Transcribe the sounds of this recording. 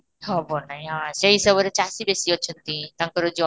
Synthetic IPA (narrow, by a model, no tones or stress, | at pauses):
hɔbonaɦj̃ɦãseɦisɔbɔɾet͡ʃasibesiɔt͡ʃʰɔnt̪ĩt̪aŋkɔɾod͡ʒɔ